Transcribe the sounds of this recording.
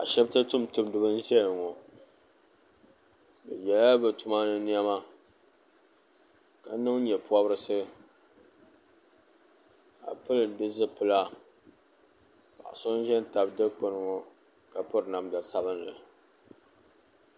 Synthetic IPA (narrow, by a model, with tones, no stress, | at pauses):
a̰˨ʃɛ˦btɨ˦tʊ˦mtɨ˦mdɨ˦bɨ˦n̩˦ʒɛ˦lŋɔ˨ | bɨ̰˨jɛ˨la˦bɨ˨tu˨ma˦nɨ˦n˦ɛ˦ma˦ | ka˨˦nɨ˦ŋ˦ɲɛ˨pu˦a˦bɾɨ˦sɨ˦ | a̰˨pɨ˦lɨ˨dɨ˦zɨ˦pɨ˦la˦ | pa̰˨ʔa̰˨so˦n˦ʒɛ˦n˦ta˨bdɨ˦k͡pʊ˦nɨ˨ŋɔ˨ | ka˨pʊ˦ɾɨ˨na˨mda˨sa˦bɨ˦nlɨ˨